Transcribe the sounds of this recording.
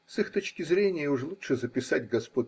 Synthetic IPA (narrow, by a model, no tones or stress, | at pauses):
sɨxt̪o̞t͡ɕkʲɪzɾʲenʲɪjəʊʐlˠuʂɨzəpʲɪsatʲɡɐspo